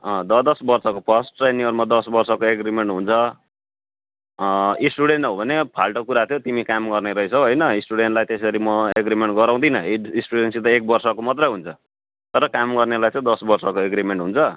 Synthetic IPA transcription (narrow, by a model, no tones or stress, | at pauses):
ʌ̃d̪ʌd̪ʌsbʌrsʌkopʰʌsʈːjniʌɾumad̪ʌsbʌrsʌkoeɡɾimeɳʈɦunt͡sʰʌ | isʈuɽeɳʈɦobʱʌnepʰalʈokuɾat̪ʰjot̪imikamɡʌrneɾʌet͡sʰʌɦʌjnʌisʈuɽeɳʈlajt̪esʌɾimʌeɡrimeɳʈɡʌɾaw̃d̪inʌisʈuɽensit̪ʌek̚bʌrsʌkomʌt̪rʌjɦunt͡sʰʌ | t̪ʌɾʌkamɡʌrnelajt͡sʌ̃d̪ʌsbʌrsʌkoeɡɾimeɳʈɦunt͡sʰʌ